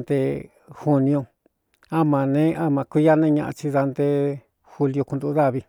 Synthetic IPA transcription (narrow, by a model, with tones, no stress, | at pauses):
nd̪e˧ | xu˧nĩ˧õ˧ | a˦mã˨nẽ˦ʔa˦mã˧kʷi˦ja˦nẽ˦ɲã˧ʔa̰˧t͡ʃi˧ða˧nd̪e˧ | xu˧li˧o˧ku˧d̪u˧˦ða˦˨βi˧